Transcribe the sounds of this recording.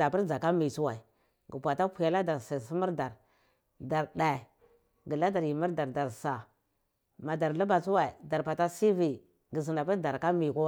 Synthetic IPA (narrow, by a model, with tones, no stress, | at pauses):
a˨pi˦ɾd͡za˨ka˦mi˨t͡su˦wa˨i˨ | ɡə˨pʷa˨ta˦kʷu˨ja˦la˦da˨ɾsa˨si˦mu˦ɾda˨ɾ | da˨ɾɗa˨ | ɡi˨la˦da˨ɾi˨mi˦ɾda˨ɾda˨ɾsa˨ | ma˨da˨ɾlu˦ba˨t͡su˦wa˨i˨da˨ɾpa˨ta˦si˦vi˨ | ɡi˨zi˨na˨pi˦ɾda˨ɾka˦mi˨ku˦